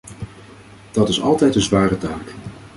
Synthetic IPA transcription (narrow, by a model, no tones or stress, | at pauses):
d̥ɑtɪsɑ̰lˠtɛjtənzʋaːrətaːk